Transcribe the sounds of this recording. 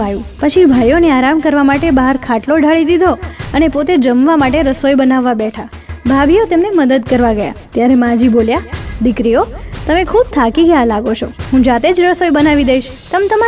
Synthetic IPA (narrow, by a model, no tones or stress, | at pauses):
ajũpət͡ʃʰibʱajoneaɾamkəɾʋamaʈebaɦaɾkʰaʈloɖʱaɭid̪id̪ʱoənepot̪ed͡ʒəmʋamaʈeɾəsojbənaʋːabɛʈʰa | bʱabʱijot̪emneməd̪əd̪̚kəɾʋaɡəja̰t̪jaɾemãd͡ʒiboljad̪ikɾijot̪əmekʰub̚t̪ʰakiɡəjalaɡot͡ʃʰoɦũd͡ʒat̪ed͡ʒɾəsojbənaʋid̪əiʃ | t̪əmet̪əma